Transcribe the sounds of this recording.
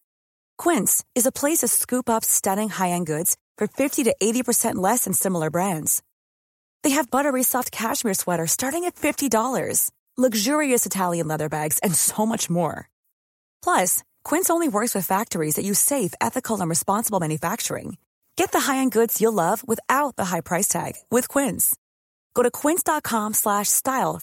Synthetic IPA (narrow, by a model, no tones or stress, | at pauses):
kʰw̥ɪ̃ntsɨzəpʰl̥eɪsʌv̥skʉpʌpstʌɾɪ̃ŋhaɪɨ̃nɡʊdz̥fə˞fɪftiɾɨʔeɪɾipʰə˞sɛ̃nʔlɛsɨ̃n̩sɪ̃ml̩ˠə˞bɹæ̃ndz̥ | ðeɪɨvbʌɾə˞ɹisɑft̚kʰæʃmɪɹswɛɾə˞stɑɹɾɪ̃ŋɨtfɪftidɔlˠə̰˞z̥ | lʌɡʒʊɹiɨsɨtʰælˠjɨ̃nlɛðə˞bæɡz̥ɨ̃nsoʊmʌt͡ʃmɔ̰ɹ | pʰl̥ʌs | kʰw̥ɪ̃nsõʊ̃nliwɜ˞kswɨð̥fæk̚tə˞izðɨt͡ʃɨseɪfɛ̰θɨkʰl̩ˠə̃nɹɨspɑ̃nsəbl̩ˠmæ̃njɨfæk̚t͡ʃə̰˞ɪ̰̃ŋ | ɡ̥ɛt̪̚ðɨɦaɪɨ̃nɡʊdz̥jəlʌvwɪθaʊt̪̚ðəɦaɪpʰɹ̥aɪstʰæ̰ɡ̥wɪð̥kʰw̥ɪ̃nz̥ | ɡ̥oʊɾɨkʰw̥ɪ̃nsd̥ɑt̚kʰɑ̃mslæʃstaɪlˠ